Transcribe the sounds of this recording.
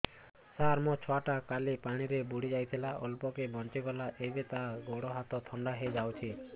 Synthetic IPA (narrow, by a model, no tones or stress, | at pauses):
saɾmɔt͡ʃʰɔaʈakalipaɽ̃iɾebuɽid͡ʒajt̪ʰilaʔɔlpɔkebʱɔnt͡ʃiɡɔlaʔebet̪aɡoɽɔɦat̪ɔt̪ʰɔɳɖaɦed͡ʒawt͡ʃʰi